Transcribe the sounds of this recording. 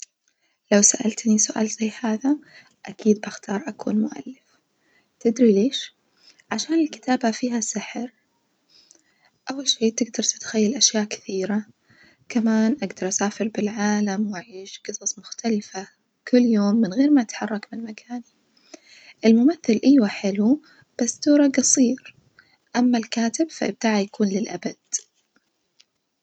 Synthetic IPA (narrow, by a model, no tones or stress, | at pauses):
lawsaʔa̰lt̪nisʊʔa̰ːlzajːhaːða | ʔakiːd̪̚baxt̪ʰɑːɾˤʔakuːnmʊʔa̰lːɪf | t̪ɪd̪ɾileːʃ | ʕaʃaːnɪlkɪ̥t̪ʰaːbafiːɦasɪħɾ | ʔawːalʃeːʔt̪ɪɡd̪ɑɾˤt̪ɪt̪xajːalʔaʃjaːʔkɪ̥θiːɾa | kamaːnʔaɡd̪ɑɾˤʔasaːfɪɾbɪlʕaːlamwʔaʕiːʃqɨsˤɑsˤmʊxt̪ʰalɪfa | kʰʊlːjoːmːɪnɣeːɾmaʔat̪ħɑrˤːɑkmɪnmakʰaːni | ʔɪlmʊmaθːɪlʔajwaħɪlu | b̥asːt̪uːɾˤɑɡɑsˤiːɾ | ʔamːalkaːt̪ɪbfaʔɪb̚t̪aːʕajakuːnlɪlʔabad̪̥̚